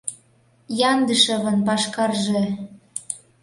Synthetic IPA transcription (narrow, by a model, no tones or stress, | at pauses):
jɑnd̪əʃɤ̆βɤ̆npɑʃkɑrʒe